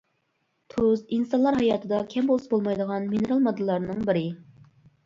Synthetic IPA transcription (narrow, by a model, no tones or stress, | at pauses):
t̪ʰuozinsɑnlˠɑɾɦɑjɑːt̪ʰɨd̪ɑkʲʰɛmbolˠsbolˠmɑjd̪əʁɑnminɨɾɑlˠmɑd̪ɨlːˠɑɾnɨŋbɪɾɪ